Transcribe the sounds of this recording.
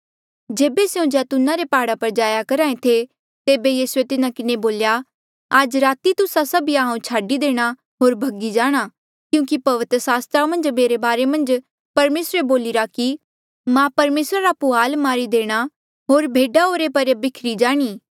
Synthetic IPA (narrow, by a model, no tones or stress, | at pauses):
d͡ʒeːbeseũd͡ʒɛːt̪ʊnãɾepaːɽapɐɾd͡ʒaːjakɐɾaːẽt̪ʰe | t̪eːbejiːsuet̪ɪnãkɪneboːlja | ad͡ʒɾaːt̪it̪ʊsasɐbiaɦãũt͡ʃʰaːɖid̪eːɽ̃a | ɦoːɾbʱɐɡid͡ʒaːɽ̃a | kjũːkipɐʋɪt̪ɾəsaːst̪ɾamɐ̃nd͡ʒmeːɾebaːɾemɐ̃nd͡ʒ | pɐɾmeːsɾeboːlɪɾaki | mãpɐɾmeːsɾaɾapʊɦaːlmaːɾid̪eːɽ̃a | ɦoːɾbʱeːɖaɦoːɾepɐɾbɪkʰɾid͡ʒaːɽ̃iː